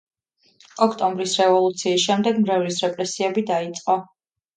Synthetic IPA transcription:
ɔkʰt̪ʼɔmbɾisɾɛvɔlˠut̪sʰiːsʃɛmd̪ɛɡmɾɛvlisɾɛpʼɾɛsiɛbid̪ait̪sʼqʼɔ

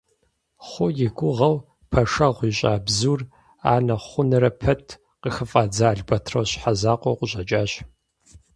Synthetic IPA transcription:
χʷʊjɪɡʷʊʁɐw | pʰɐʂɐʁʷiːɕʼa̰ːbzuːr | a̰ːnɐχʷʊnɨɾɐpʰɐtʰ | qəxəfʼaːd͡zaːɮbɐtʰrɐwɕħazaːqʷowqʷʊɕʼɐt͡ʃʼaːɕ

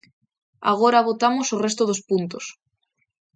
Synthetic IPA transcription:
a̰ɣ̞oɾaβ̞ot̪amosorest̪oð̞ospunt̪os

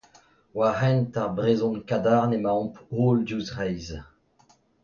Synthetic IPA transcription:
waʁɛ̃ntaʁbʁezɔ̃nkad̪aʁnemaɔ̃poːlduzʁɛjz

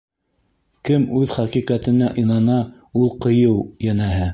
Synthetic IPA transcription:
kɘmʉðχɑqiqɑt̪ɘ̆næʔɤ̆jnɑnɑ | ulˠqɤ̆jɤwjænæɦɘ

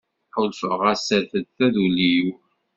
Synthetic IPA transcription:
ħʊlfəʁæsəɾθəd̪θæðuliju

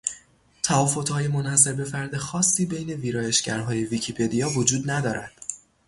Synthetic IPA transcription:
t̪ʰævɒːfot̪hɒːje̞monhæse̞ɾbe̞fæɾd̪e̞xɒːsːiːbe̞jne̞viːɾɒːje̞ʃɟæɾɦɒːje̞vicʰipʰe̞d̪ijɒːvo̞d͡ʒuːd̪næd̪ɒːɾæd̪̥

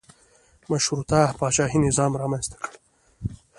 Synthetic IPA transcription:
maʃhɾut̪apɑːt͡ʃɑːɦinɪzɑːmɾɑmanzt̪ḁkəɽ

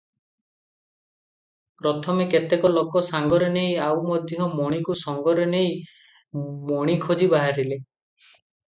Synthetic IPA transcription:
pɾɔt̪ʰɔmeket̪ekɔlokɔsaŋɡɔɾenejawmɔd̪ʱjɔmɔɽ̃ikusɔŋɡɔɾenej | mɔɽ̃ikʰod͡ʒibaɦaɾile

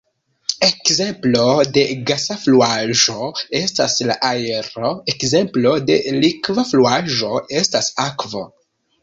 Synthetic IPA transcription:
ekze̞mplo̞de̞ɡasafluaʒo̞e̞staslaʔaeɾo̞ekze̞mplo̞de̞̰likvafluaʒo̞e̞stasakvo̞̰

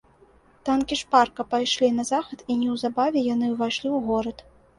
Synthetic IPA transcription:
t̪ankʲiʂparkɐpajʂlʲinɐzaxɐt̪inʲɛwzabavʲɛjanɨvajʂlʲiwɣɔɾɐt̪

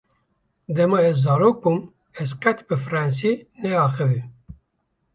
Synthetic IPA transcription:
d̪ɛmɑɛzːɑːɾoːk̚bum | ɛzqɛt̪bɨfɨɾɑns̬inɛɑːxɨvi

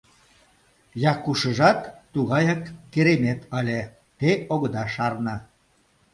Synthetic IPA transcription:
jɑkːuʃəʒɑt̪ːuɣɑjɑkːeɾemet̪əlʲe | t̪eoɣɤ̆d̪ɑʃɑrnə

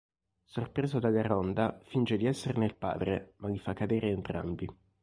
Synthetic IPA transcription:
sorpɾeːzod̪aɡarɔnd̪afint͡ʃed̪iɛsːerneilpa̰ːd̪ɾemaʎifakːad̪eːɾeːnt̪ɾa̰mbi

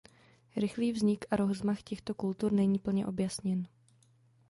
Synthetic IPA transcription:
ɾɪxliːvzɲɪkaɾozmaxcɛxt̪o̞kult̪uɾnɛɲiːpl̩ɲɛ̰ʔo̞bjasɲɛn

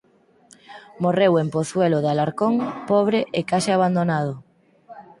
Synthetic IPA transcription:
morewempoθwelʊðalaɾkoŋpɔβ̞ɾɪʔekaʃeaβ̞and̪onað̞ʊ

